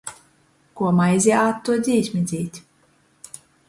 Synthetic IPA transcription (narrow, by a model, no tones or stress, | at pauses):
kuɔmajzʲiaːt̪ːuɔd̪zʲiːsʲmʲid̪zʲiːt̪ʲ